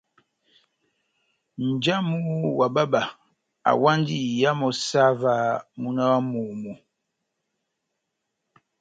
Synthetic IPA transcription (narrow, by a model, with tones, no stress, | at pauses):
n̩˨d͡ʒa˦mu˦wa˨ba˦ba˨ | a̰˨wa˦n˦di˦˨ja˦mɔ˨sa˦va˦mu˦na˦wa˦mu˨mu˨